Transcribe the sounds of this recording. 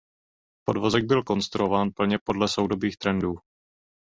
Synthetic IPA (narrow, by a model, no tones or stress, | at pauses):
podvozɛɡ̚bɪlko̞nst̪ɾuʔovaːnpl̩ɲɛpo̞dlɛsowdobiːxt̪ɾɛnduː